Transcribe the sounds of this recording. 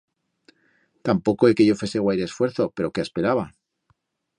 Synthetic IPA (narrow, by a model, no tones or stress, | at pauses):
t̪ampo̞ko̞e̞ke̞ʝo̞fe̞se̞ɣwajɾesfwe̞ɾθo̞pe̞ɾo̞ke̞aspe̞ɾaβa